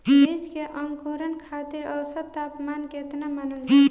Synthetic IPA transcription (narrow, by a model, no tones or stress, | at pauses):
bed͡ʒkeʔʌŋkoɾənkʰat̪iɾʌwsət̪ːapmanket̪namanəlʰi